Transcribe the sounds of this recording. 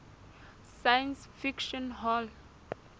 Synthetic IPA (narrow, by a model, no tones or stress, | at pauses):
sajə̃nsfikʃɔ̃nɦɔl